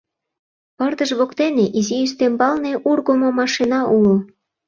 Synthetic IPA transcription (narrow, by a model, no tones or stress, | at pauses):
pərd̪əʒβokt̪eneʔiziyst̪embɑlneʔurɣomomɑʃinɑʔulo